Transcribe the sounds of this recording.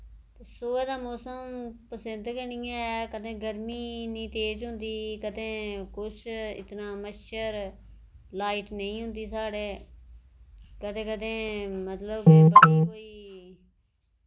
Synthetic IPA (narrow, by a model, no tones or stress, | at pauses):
t̪esoːeːd̪aːmoːsəmpəsɪ̃nd̪kənĩːɛkəd̪ẽːɡəɾmiːnĩːt̪eːd͡ʒɦʊnd̪iːkəd̪ẽːkʊt͡ʃʰɪ̰t̪naːməʃəɾ | laːiːʈnəĩːɦʊ̃nd̪iːsaːɽeː | kəd̪ẽːkəd̪ẽːmət̪ləbbəɽiːkoːiː